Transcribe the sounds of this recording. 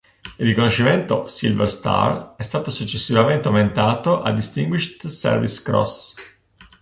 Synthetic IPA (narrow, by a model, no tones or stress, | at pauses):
irːikonoʃːiment̪osḭlvḛrst̪a̰rɛst̪aːt̪osut͡ʃːesːivament̪eoment̪aːt̪oʔa̰d̪ːist̪iŋɡwiʃt̪sɛ̰rvḭskɾɔ̰s